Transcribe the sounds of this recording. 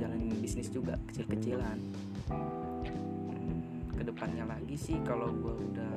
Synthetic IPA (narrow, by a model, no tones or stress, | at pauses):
alanbisnɪsd͡ʒuɡa̰kə̥t͡ʃɪlkət͡ʃilan | kədəpanɲalaɡisɪhkaloɡuauda